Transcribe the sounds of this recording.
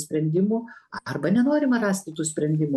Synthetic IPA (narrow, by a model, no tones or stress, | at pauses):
sʲpʲɾʲɛnʲd̪ʲɪmʊɐrbɐnʲɛnoːɾʲɪmɐrɑːsʲt̪ʲɪt̪uːsʲpʲɾʲɛnʲd̪ʲɪmʊ